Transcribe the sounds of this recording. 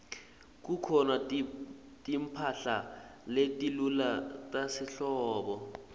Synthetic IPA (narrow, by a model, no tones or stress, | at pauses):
k̬ukʰɔna | tʼimpʰaɬaletʼilulatʼasiɬɔːɓɔ